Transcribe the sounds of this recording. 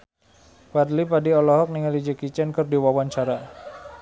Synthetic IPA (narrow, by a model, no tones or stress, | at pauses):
wadlipadiɔlɔɦɔk̚niŋalid͡ʒəkit͡ʃɛnkərdiwawaɲt͡ʃaɾa